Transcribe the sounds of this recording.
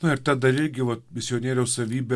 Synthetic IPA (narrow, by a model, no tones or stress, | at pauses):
nʊɪɾt̪ɐd̪ɐɾɪɾʲɡʲɪʋɐt̪mʲɪsʲɪoːnʲeːɾʲɛʊsɐʋʲiːbʲe